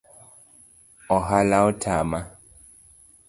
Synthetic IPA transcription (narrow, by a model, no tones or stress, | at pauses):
ɔɦalaɔtʰaːma